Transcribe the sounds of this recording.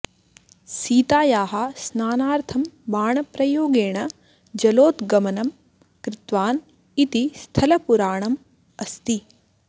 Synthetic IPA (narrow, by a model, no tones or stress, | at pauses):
siːt̪aːjaːɦɐsnaːnaːɾt̪ʰɐmʋaːɳɐpɾɐjoːɡeːɳɐ | d͡ʒɐloːt̪ɡɐmɐnɐm | kɾɪt̪ʋaːn | it̪ist̪ʰɐlɐpuɾaːɳɐm | ɐst̪i